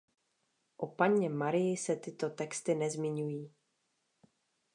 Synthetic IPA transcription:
ʔopaɲɛmaɾɪjɪsɛt̪ɪt̪o̞t̪ɛkst̪ɪnɛzmɪɲujiː

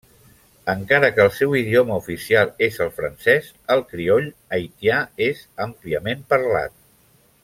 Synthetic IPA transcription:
əŋkaɾəkəːlˠsɛwiðioməufisialˠezəlˠfɾənsɛz | əlˠkɾioʎəjt̪jaezəmpliəmempəɾla̰t̪̚

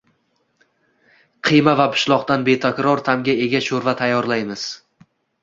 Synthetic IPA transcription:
qʰɨjmavapʰʊ̥ʃlˠɒqt̪anbe̞t̪ʰakʲɾɒɾt̪ʰamɡʲae̞ɡʲaʃoɾvat̪ʰajːɒɾlajmɪz̥

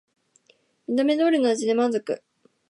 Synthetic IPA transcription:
mʲid̪ame̞d̪oːɾʲɯ̟noaʑid̪emãnzokɯ̟̰

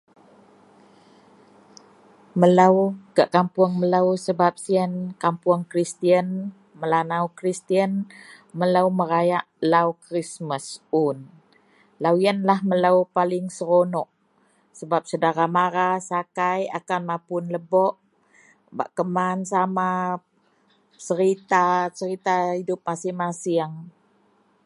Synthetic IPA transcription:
məlawkaʔkampuəŋməlawsəbap̚siənkampuəŋkɾist̪iən | məlanawkɾist̪iən | məlawməɾajaʔlawkɾisməsun | lawjənlahmələwpalɪŋsəɾonɔʔ | səbap̚sədaɾamaɾasakaja̰kanmapʊnləbɔʔ | ba̰ʔkəmansama | t͡ʃəɾit̪at͡ʃəɾit̪aidʊp̚masihmasiaŋ

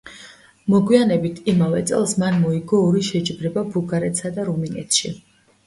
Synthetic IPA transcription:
mɔɡwianɛbit̪ʰimavɛt̪sʼɛlˠsmanmɔiɡɔːɾiʃɛt͡ʃʼibɾɛbabuɡaɾɛt̪sad̪aɾuminɛ̰t̪ʰʃi

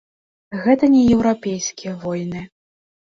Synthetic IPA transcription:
ɣɛt̪ɐnʲɛjɛwɾapʲejskʲijɐvɔjnɨ

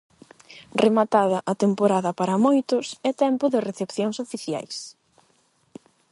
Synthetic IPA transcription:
remat̪aðɐʔɐt̪empoɾaðɐpaɾɐmojt̪ʊsɛt̪ɛmpʊðɪreθepθjoŋsofiθja̰js

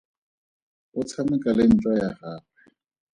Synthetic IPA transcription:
ʊt͡sʰamɪkʼalɪn̩t͡ʃʼwajaχaːpɛ

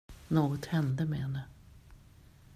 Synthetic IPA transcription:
noːɡɔt̪hɛnd̪əmɛhɛnːə

